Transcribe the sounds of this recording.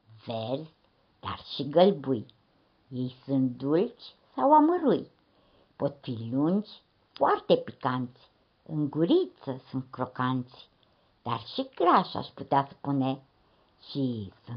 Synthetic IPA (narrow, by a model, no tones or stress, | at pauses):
veɾzʲ | d̪̥a̰rʃiɡəlbuj | jejsɨn̚d̪ult͡ʃ | sawaməɾuj | pot̪filund͡ʒ | fwart̪epikansʲ | ɨŋɡuɾit͡səsɨnkɾokant͡si̥ | d̪̥a̰rʃikɾaʃa̰ʃput̪easə̥pune | ʃisɨn